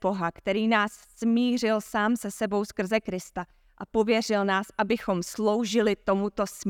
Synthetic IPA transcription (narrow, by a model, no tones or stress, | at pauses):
o̞ɦakt̪ɛɾiːnaːsːmiːr̝ɪlsaːmsɛsɛbo̞wskr̩zɛkɾɪst̪a | ʔapo̞vjɛr̝ɪlnaːsʔabɪxo̞mslo̞wʒɪlɪt̪o̞mut̪o̞sm